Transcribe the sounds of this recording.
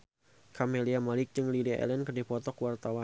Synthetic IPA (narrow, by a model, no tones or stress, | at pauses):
kʰameliamalɪk̚t͡ʃɨŋliliɛ̰lɛnkədipɔt̪ɔkwart̪awa